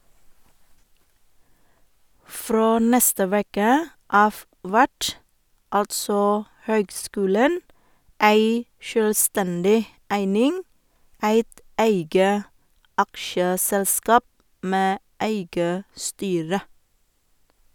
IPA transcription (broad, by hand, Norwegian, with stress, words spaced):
ˈfɾoː ˈnɛstə ˈʋeːkə ˈɑːʋ ˈʋæʈ ˈɑltsɔ ˈhøːɡˌskʉːlən ˈæɪ ʃøːlˈstɛndɪ ˈæɪnɪŋ ˈæɪt ˈæɪɡə ˈɑkʃəˌsɛlˌskɑːp ˈmeː ˈæɪɡə ˈstyːɾə